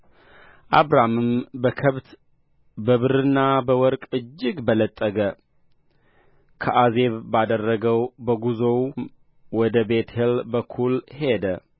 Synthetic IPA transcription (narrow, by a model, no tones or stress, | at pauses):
ʔaβɾamɨmbəkʰəβt̪ | bəβɨɾɨnːabəwɔɾkʼɨd͡ʒːɪɡbələt̪ʼːəɡə | kʰəʔaze̞βbad̪ərːəɡəwbəɡuzo̞wm | wɔd̪əbe̞t̪helbəkʰulhe̞d̪ə